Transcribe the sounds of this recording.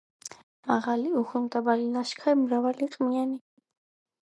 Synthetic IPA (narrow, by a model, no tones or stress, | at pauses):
maʁaliuχumt̪ʼabalinaʃkʰaimɾavaliqʼmiani